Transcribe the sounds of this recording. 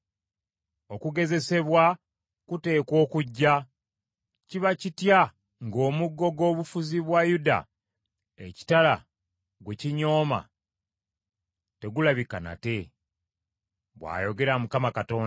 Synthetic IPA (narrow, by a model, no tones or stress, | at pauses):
o̞kuɡe̞ze̞se̞βwa | kute̞ːko̞ːkuɟːa | ciβacitja | ŋɡo̞ːmuɡːo̞ɡo̞ːβufuziβwajuda̰ | eci̥tala | ɡwe̞ciɲo̞ːma̰ | te̞ɡulaβikana̰te̞ | βwa̰ːjo̞ɡe̞ɾamukamakato̞ːn